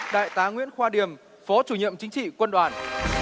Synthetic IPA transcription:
ɗa̰ː˧˨jt̪aː˨˦ŋwḭ˧˥ənxwaː˧ɗi˨˩əm | fɔ˨˦t͡ɕu˧˩ɲḭ˧˨ə˨mt͡ɕï˨˦ŋ̟t͡ɕḭ˧˨kwə˧nɗwaː˨˩n

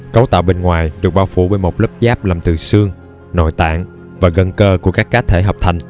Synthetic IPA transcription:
kə˨˦wt̪a̰ː˧˨wɓe˧nŋwaː˨˩jɗɨ˨˩ək̚ɓaː˧wfṵ˧˩ɓe˧˩nmo˨˩k͡p̚lə˦˥p̚zaː˦˥p̚laː˨˩mt̪ɨ˨˩sɨ˧əŋ | no̰˧˨jt̪a̰ː˧˨ŋ | vaː˨˩ɣə˧nkəː˧ku˧˩əkaː˦˥kːaː˨˦t̪ʰe˧˩˦ɦəː˨˩p̚t̪ʰa˨˩jŋ̟

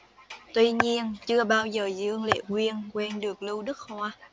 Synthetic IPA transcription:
t̪wi˧ɲi˧ənt͡ɕɨ˧əɓaː˧wzəː˨˩zɨ̰˧əŋlḛ˧˨kwi˧ənkwɛ˧nɗɨ˨˩ək̚lɨ˧wɗɨ˦˥k̚hwaː˧

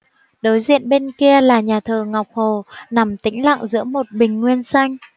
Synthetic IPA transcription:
ɗo˨˦jzḭ˧˨ənɓe˧nki˧əlaː˨˩ɲaː˨˩t̪ʰəː˨˩ŋa˨˩wk͡p̚ho˨˩na˨˩mt̪ï˨˦ŋ̟la̰˧˨ŋzɨ̰˧˥əmo˨˩t̚ɓï˨˩ŋ̟ŋwi˧ənsa˧jŋ̟

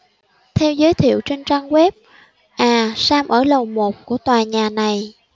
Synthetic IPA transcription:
t̪ʰɛ˧wzəː˨˦jt̪ʰḭ˧˨ə˨wt͡ɕe˧nt͡ɕaː˧ŋɣwɛ˦˥p̚ | ʔaː˨˩saː˧mʔəː˧˩lə˨˩wmo˨˩t̚ku˧˩ət̪waː˨˩ɲaː˨˩na˨˩j

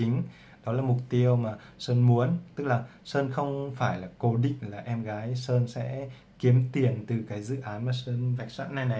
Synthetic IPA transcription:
ï˨˦ŋ̟ | ɗɔ˨˦laː˨˩mʊ˨˩k͡p̚t̪i˧əwmaː˨˩səː˧nmu˨˦ənt̪ɨ˦˥k̚laː˨˩səː˧nxə˧wŋ͡mfaː˧˩jlaː˨˩ko˨˦ɗḭ̈˧˨ŋ̟laː˨˩ʔɛ˧mɣaː˨˦jsəː˧nsɛ̰˧˥ | ki˨˦əmt̪i˨˩ənt̪ɨ˨˩kaː˨˦jzɨ̰˧˨ʔaː˨˦nmaː˨˩səː˧nva˨˩jk̟̚sa̰ː˧˥nːa˨˩jna˨˩

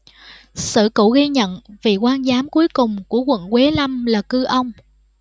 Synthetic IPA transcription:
sɨ̰˧˨kṵ˧˩ɣi˧ɲə̰˧˨nvi˨˩kwaː˧nzaː˨˦mku˨˦əjkʊ˨˩ŋ͡mku˧˩əkwə̰˧˨nkwe˨˦la˧mlaː˨˩kɨ˧ʔə˧wŋ͡m

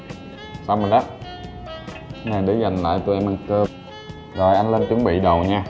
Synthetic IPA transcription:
saː˧wmə˨˩nɗaː˦˥t̚ | na˨˩jɗe˨˦za˨˩jŋ̟la̰ː˧˨jt̪u˧jʔɛ˧mʔa˧nkəː˧ | zɔ˨˩jʔa˧jn̟leː˧nt͡ɕɨ˨˦əŋɓḭ˧˨ɗə˨˩wɲaː˧

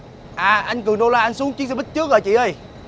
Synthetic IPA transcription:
ʔaː˨˩ʔa˧jŋkɨ˨˩ənɗo˧laː˧ʔa˧ŋ̟su˨˦ŋt͡ɕi˦˥ŋsɛ˧˩ɓi˦˥t̚t͡ɕɨ˦˥ək̚əː˨˩t͡ɕḭ˧˨ə˧˩j

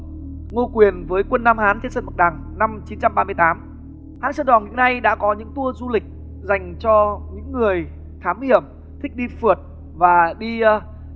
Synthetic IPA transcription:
ŋo˧kwi˨˩ənvəː˨˦jkwə˧nːaː˧mhaː˨˦nt͡ɕe˧nsə˧nmə˨˩ɗaː˨˩ŋna˧mt͡ɕi˨˦nt͡ɕa˧mɓaː˧mɨ˧əjt̪aː˨˦m | haː˨˦nsəː˧˩nɗɔ˨˩nŋḭ˧˥əna˧jɗa̰ː˧˥kɔ˨˦ɲɨ̰˧˥ŋt̪u˧əzu˧lï˨˩k̟̚ | za˨˩jŋ̟t͡ɕɔ˧ɲɨ̰˧˥ŋːɨ˨˩əj | t̪ʰaː˨˦mhi˧˩əm | t̪ʰï˦˥k̚ɗi˧fɨ˨˩ət̚ | vaː˨˩ɗi˧

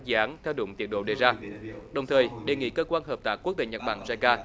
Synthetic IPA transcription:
zi˨˧˨ʔaː˨˦nt̪ʰɛ˧wɗʊ̰˧˨ŋ͡mt̪i˨˩ət̚ɗo̰˧˨ɗe˨˩zaː˧ɗə˨˩wŋ͡mt̪ʰəː˨˩jɗe˨˩ŋḭ˧˥kəː˧kwaː˧nɦəː˨˩p̚t̪aː˨˥kːu˦˥k̚t̪ḛ˧˩ɲə˨˩t̚ɓa̰ː˧˩˨ŋza˧jkaː˧

